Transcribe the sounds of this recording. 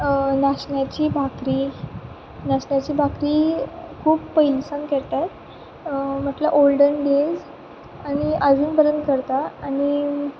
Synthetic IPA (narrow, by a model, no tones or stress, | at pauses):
ənaɕɳjat͡ɕiːbʱakɾiː | naɕɳjat͡ɕiːbʱakɾiːkʰuːbːəɦilsənkɛɭt̪a | m̤əʈlaʔolɖənɖed͡z | aɽ̃iʔəd͡zuːnpəɾənd̪̚kəɾt̪aaɽ̃i